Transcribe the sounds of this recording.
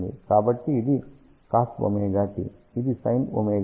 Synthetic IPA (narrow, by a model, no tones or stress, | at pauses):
d̪ḭkaːbɐʈːiːd̪i | kaːsbo̰meːɡaːʈḭ | id̪isɐjno̰meːɡ